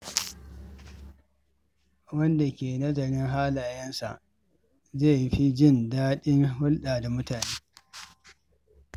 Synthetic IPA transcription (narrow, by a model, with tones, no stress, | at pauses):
wɐ˦nda˨kʲeː˨nɐ˦zɐ˨ɽɪ˦ŋɦaː˦laː˨jɐ˦nsa̰˨ʔ | zeː˦˨jɸi˦d͡ʒɪ˦˨ndaː˦ɗɪ˦ŋɦʊ˦lɗaː˨da˨mʊ˦taː˨neː˦